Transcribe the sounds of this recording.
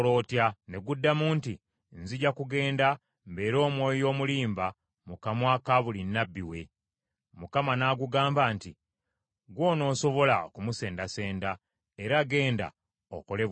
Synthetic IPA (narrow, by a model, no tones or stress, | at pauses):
lo̞ːtjane̞ɡudːamuːnti | nziɟakuɡe̞ːnda | mbe̞ːɾo̞ːmwo̞ːjjo̞ːmuliːmba | mukamwakaβulinːabːiwe̞ | mukamanaɡuɡaːmbaːnti | ɡwo̞ːno̞ːso̞βo̞la̰kumuse̞ːndase̞ːnda | e̞ɾaɡe̞ːnda̰ | o̰ko̞le̞